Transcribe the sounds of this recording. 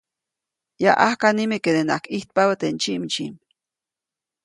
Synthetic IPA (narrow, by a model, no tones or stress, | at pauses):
jaʔahkanimeked̪ena̰kiht̪̚pawat̪ent͡ʃimit͡ʃḭm